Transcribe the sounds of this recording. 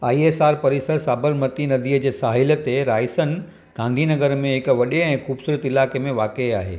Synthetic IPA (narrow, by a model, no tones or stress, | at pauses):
aːiesaːɾpɐɾɪsəɾsaːbəɾmət̪inɐd̪iːəd͡ʑeːsaːɦɪlə̆t̪eɾaːɪsən | ɡ̥ãːnd̪ʱinɐɡəɾmẽɦɪkʋɐɗeɛ̃ːxuːbsuːɾət̪ɪlaːkemẽʋaːkeaːɦḛː